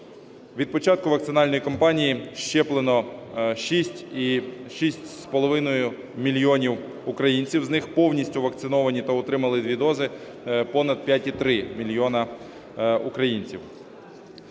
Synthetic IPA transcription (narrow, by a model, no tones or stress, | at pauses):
ʋʲid̪̚pɔt͡ʃɑt̪̚kʊʋɐkt̪sɪnɑlʲnɔjikɔmpɑnʲijiʃt͡ʃɛplˠenɔʃisʲtʲiʃisʲtʲspɔlˠɔʋɪnɔjʊ | mʲilʲjɔnʲiw | ʊkɾɐjinʲt͡sʲiwznɪxpɔwnʲisʲtʲʊʋɐkt̪sɪnɔʋɐnʲit̪aʊt̪ɾɪmɐlˠɪd̪ʲʋʲid̪ɔzɪ | pɔnɐd̪̚pʲjatʲit̪ɾɪmʲilʲjɔnɐ | ʊkɾɐjinʲt͡sʲiw